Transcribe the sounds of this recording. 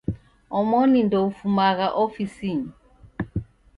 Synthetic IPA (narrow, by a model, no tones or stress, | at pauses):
ɔmɔnindɔufumakaʔofisiɲi